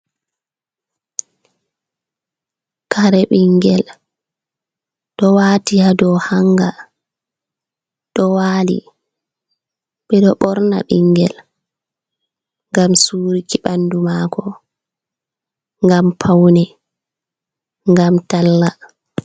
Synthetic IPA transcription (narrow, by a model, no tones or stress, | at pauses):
kaɾɛɓiŋɡɛl | ɗɔwatijadɔhaŋɡa | ɗɔwaːlḭ | ɓɛɗɔɓɔɾna̰ɓiŋɡɛl | ŋɡamsuːɾikiɓandumaːkʰɔ | ŋɡampʰawnɛ | ŋɡamtalːa